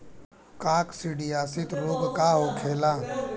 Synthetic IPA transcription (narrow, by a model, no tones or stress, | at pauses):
kaːksiɖijaːsɪt̪ʰɾoːɡkaːɦoːkʰeːlãː